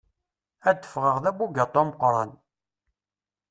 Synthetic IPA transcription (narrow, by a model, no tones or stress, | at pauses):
æd̪ːə̥fʁəʁðæbuɡat̪ˤomqɾˤɑ̰n